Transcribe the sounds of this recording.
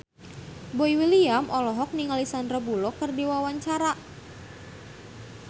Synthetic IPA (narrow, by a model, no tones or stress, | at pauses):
boiwiliamʔɔlɔɦɔk̚niŋalisandrabulɔkərdiwawaɲt͡ʃaɾa